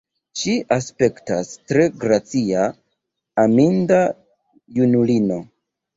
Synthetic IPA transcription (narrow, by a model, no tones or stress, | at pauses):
ʃiʔaspe̞ktastɾe̞ɡɾat͡sia | aminda | junulino̞